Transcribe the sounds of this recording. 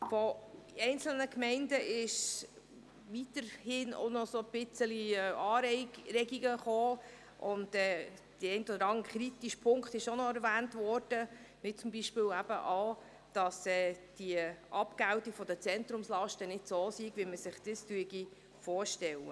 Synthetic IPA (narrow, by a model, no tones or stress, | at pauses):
fɔ | ɛɪnt͡sl̩nəkmɛɪndəʔɪʃ | ʋitəɾhɪno̰nɔsob̥ɪt͡səliɛɑːɾɾɛɡiɡəχoː | ʔʊndɛːd̥əɛɪntɔd̪əɾɑŋχɾit̪iʃpʰʊŋkχtɪʃonɔɛɾʋæːntʋɔrd̥ə | mɪt͡sʊmbiʃpɪːwæbəʔɑː | d̥ɑsɛːd̥iəʔɑpɡæwtikfɔd̥ət͡sɛntɾʊmslɑʃtənɪd̥soːsiɡʋiməsɪχd̥istyəɡi | fɔːɾʃtɛlə̰